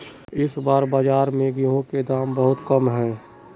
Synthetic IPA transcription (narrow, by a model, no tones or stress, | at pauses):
ɪsbaːɾbaːd͡ʒaːɾmẽɡiɦõked̪aːmbəɦʊt̪kəmɦɛː